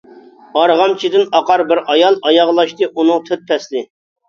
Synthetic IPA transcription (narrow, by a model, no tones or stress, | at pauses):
ɑɾʁɑmt͡ʃʰid̪ɪnɑqɑɾbɪɾɑjɑlˠɑjɑʁlˠɑʃt̪ɨʔunɨŋt̪ʰøt̪̚pʰɛslɪ